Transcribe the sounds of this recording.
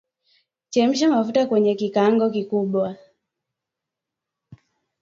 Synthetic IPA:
t͡ʃɛm̩ʃ̬amafutakwɛɲɛkikaŋɡɔkikuɓwa

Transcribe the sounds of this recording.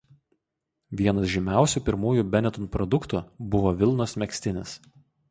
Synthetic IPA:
ʋʲiɛnɐsʒʲɪmʲæˑʊsʲuːˑpʲɪɾmuːjuːbʲɛnʲɛt̪ɔnpɾɔd̪ʊkt̪ubʊʋoːʋʲɪlˠnoːsmʲɛksʲt̪ʲɪnʲɪs

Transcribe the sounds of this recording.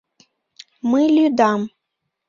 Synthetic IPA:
mɨlʲyd̪ɑm

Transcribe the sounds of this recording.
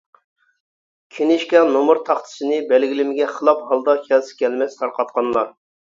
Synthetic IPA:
kʲʰenɪʃkʲɛnomʊɾt̪ʰɑχt̪ʰɨ̥sɨnɨbɛlɡʲilɪmɪɡʲɛχəlˠɑphɑlˠd̪ɑkʲʰɛlsɪ̥kʲɛlmɛst̪ʰɑɾqʰɑt̪qʰɑnlˠɑɾ

